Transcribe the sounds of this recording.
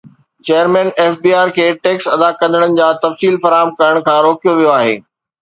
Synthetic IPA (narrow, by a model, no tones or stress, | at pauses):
t͡ɕeːəɾmɛ̃ːneːfbiːaːɾkʰeːʈeːksɐd̪akɐ̃nd̪ʱəɽ̃ənɪ̆d͡ʑaːt̪ɐfsiːlfɐɾaːɦəmkɐɾəɽ̃kʰãːɾoːkijoʋijoaːɦḛː